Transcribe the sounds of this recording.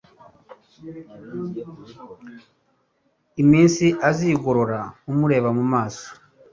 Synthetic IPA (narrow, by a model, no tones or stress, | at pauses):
imiːnsiʔaziɡoɾo̞ɾaumuɾe̞ːβamumaːso̥